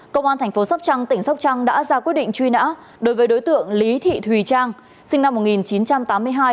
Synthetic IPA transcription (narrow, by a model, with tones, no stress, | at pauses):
kə˧wŋ͡mʔaː˧nt̪ʰɛ˨˩ŋ̟fo˨˦sa˦˥k͡p̚t͡ɕa˧ŋt̪ï˧˩ŋ̟sa˦˥k͡p̚t͡ɕa˧ŋɗa̰ː˧˥zaː˧kwi˦˥ət̚ɗḭ˧˨ŋ̟t͡ɕwi˧na̰ː˧˥ | ɗo˨˦jvəː˨˦jɗo˨˦jt̪ɨ̰˧˨əŋli˨˦t̪ʰḭ˧˨t̪ʰwi˨˩t͡ɕaː˧ŋ | sï˧ŋna˧mːo˨˩t̚ŋi˨˩nt͡ɕi˨˦nt͡ɕa˧mt̪aː˨˦mːɨ˧əjɦaː˧j